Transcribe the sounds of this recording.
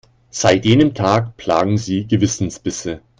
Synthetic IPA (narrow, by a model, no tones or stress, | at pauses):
z̥aɪtjeːnəmtʰaːkpʰl̥a̰ːɡŋ̩ziːɡəvɪsn̩sb̥ɪsə